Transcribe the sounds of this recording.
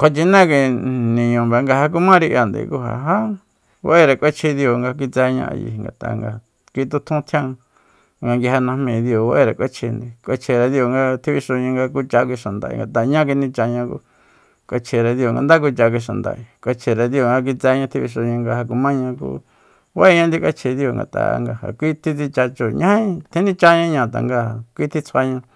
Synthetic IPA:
kʷʰa˧t͡ʃi˧nã˦ki˧nĩ˨ɲõ˨be˨˧ŋɡa˧ha˧k̬u˧mã˦ɾi˧ʔja˨nd̪ḭ˨˧ku˧ɦa̰˨ɦã˦ | wa̰˦ʔe˦˧ɾa˨kʷe˦t͡ʃʰi˧ðjo˨ŋɡa˧k̬i˧t͡sɛ˧ɲã̰˧a̰˧jḭ˧˨ŋɡa̰˨t̪a̰˧˨ŋɡa˧ | ki˧t̪u˧t̪ʰũ˦t̪ʰjã˦˧ | ŋɡa˧ŋɡi˧ɦa˧nã˧mĩ˧˨ðjo˨wa˧˦ʔe˧ɾa˨kʷe˦t͡ʃʰi˧nd̪i˨kʷe˧t͡ʃʰe˧˨ɾa˨˧ðjo˧˨ŋɡa˧t̪ʰi˧βi˧ʃo˧ɲĩ˧ŋɡa˧ku˧t͡ʃa˧kʷi˧ʃa˨nd̪a̰˨ʔḭ˨ŋɡa˨t̪a˨ɲã˦k̬ʷi˧nĩ˧t͡ʃa˧ɲã˧kṵ˧ | kʷa˧t͡ʃʰe˨ɾa˨ðjo˧˨ŋɡa̰˧nd̪a˦k̬u˧t͡ʃa˧k̬ʷi˧ʃ̬a˨nd̪a̰˧˨i˨kʷa˧t͡ʃʰe˨ɾa˨ðjo˨ŋɡa˧k̬i˧t͡sɛ˧˦ɲã˧t̪ʰi˧βi˧ʃ̬o˧ɲã˧ŋɡa˧ha˧k̬u˧mã˦ɲã˧k̬ṵ˧˦ | wa˦e˦ɲã˧nd̪i˧kʷa˦t͡ʃʰe˨ðjo˨ŋɡa̰˨t̪a̰˨˧ŋɡa̰˧ha̰˨kʷi˦t̪ʰi˦˧t͡si˧t͡ʃa˧t͡ʃo˨ɲã˦i˧t̪ʰẽ˦nĩ˦t͡ʃa˧ɲã˧ɲã˧t̪a̰˨ŋɡa˧˨kʷi˦t̪ʰi˦t͡sʰa˧ɲã˧

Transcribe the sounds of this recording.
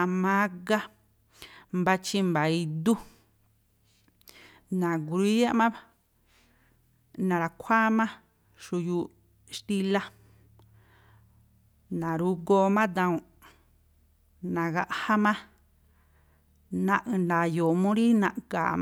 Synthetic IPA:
a˧mã˦ɡa˦ | mba˧t͡ʃi˧mba˨i˧d̪u˦ | nã˨ɡu˧ɾi˦ja˦ʔmã˦βa | nã˨˧ɾa˨kʷʰa˦mã˦ | ʃu˧ju˧ | ʃt̪i˧la˦ | nã˨ɾu˧˦ɡo˧mã˦d̪ã˧ũ˨ | nã˨ɣa˧ʔha˦mã˦ | nã˧ʔɨ̃˧na˨jo˨mũ˦ɾi˦nã˧˨ʔka̰˨

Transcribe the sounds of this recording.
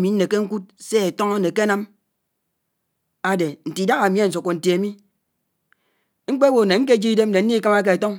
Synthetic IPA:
mi˨n̩˦ne˨ke˦ŋ̩˦ku˦t̚se˦e˨to˦ŋo˦ne˨ke˦na˦m | a˨de˨n̩˨ti˨da˦ɣa˨mi˦e˦n̩˨s̬u˨kːo˨n̩˨ti˨e˨mi˦ | ŋ͡m̩˦k͡pe˦wo˨ne˨ŋ̩˦k̬e˦˨d͡ʒi˦i˦de˦m̩˦de˨n̩˦ni˦ka˦ma˦ke˨e˨to˦ŋ

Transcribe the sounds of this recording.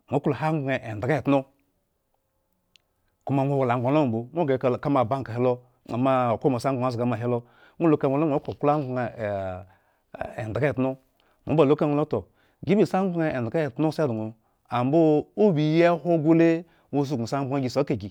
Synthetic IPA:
ŋʷo˨˦klo˨ha˦ŋ˦ɡ͡bŋe˨ʔe˨n˨dɡa˦e˨tno˦ | ku˦ma˨ŋʷo˦wa˨la˨ŋ˨a˨˦lo˦˨bo˨ŋʷ˦o˦ɡe˨ka˦ma˨ba˦ŋka˨he˦lo˦ | a̰˨ma˦o˨ko˦mo˨sa˦ŋ˦ɡ͡bŋa˨zɡa˨ma˨ɦe˦lo˦ | ŋo˦lo˦ka˦˨o˨˦lo˦ŋʷ˨o˦klo˨kla˦ŋ˦ɡ͡be˨ | ḛ˨nda˨ɡa˦e˨tno˦ | mo˨˦ba˨lo˦ka˦ŋʷo˦lo˦to˨ | ɡi˦bi˦˨sa˦ŋ˦ɡ͡bŋe˨e˨a˨ɡa˦e˨tno˦sdu˨ŋo˨ | a˨mbo˦o˦bi˨je˦ho˦ɡo˦le˦ | ŋʷo˦su˦˨u˨sa˦ɡ͡bŋa˦ɡi˨so˨˦ke˨ɡi˨

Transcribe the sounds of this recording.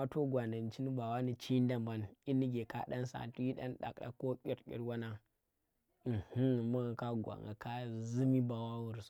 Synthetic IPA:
a˦to˦ɡʷa˨nda˨n˨t͡ʃi˦ni˦ba˨wa˦ni˦t͡ʃi˦n˦da˨mba˦ni˦nːi˦ɡe˨ka˦ɗa˦n˦sa̰˨tu˦ji˦ɗa̰˦n˦ɗa̰˨kɗa̰˨ko˦kʲi˦ɾkʲḭ˦ɾwa˦na˦˨ | hu˦˨ma˦ŋa˨ka˦ɡʷa̰˨ŋɡa˨ka˦zɨ˦mi˦ba˨wa˦wu˨ɾs

